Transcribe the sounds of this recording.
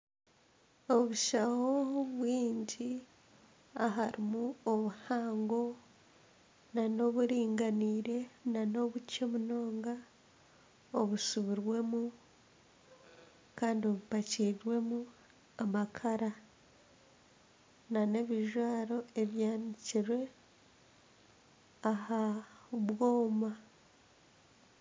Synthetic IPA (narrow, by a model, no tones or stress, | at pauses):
o̞βuʃahoβwiːɲɟi | aɦaɾimuoβuhaːŋɡo̞ | nano̞βuɾiːŋɡaniːɾe̞nano̞βuco̞muno̞ːŋɡa | oβusuβiɾwe̞mu | kaːndio̞βupaciːɾwe̞mu | amakʰaɾa | nane̞βiʒwaːɾo̞e̞βjaːniciɾwe̞ | ahaβwo̞ːma